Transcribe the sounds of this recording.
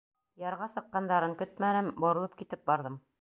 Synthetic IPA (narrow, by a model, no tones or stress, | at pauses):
jɑɾʁɑsɤ̆qːɑnd̪ɑɾɤŋkɵt̪̚mænɘmbŏɾɤ̆lˠɤp̚kit̪ɘp̚bɑɾðɤm